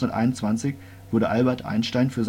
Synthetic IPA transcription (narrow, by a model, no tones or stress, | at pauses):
ndɐtʔa̰ɪnʊnt͡sv̥ant͡sɪç | vʊɐɾəʔalbɛɐtʔa̰ɪnʃtaɪnfyːɐz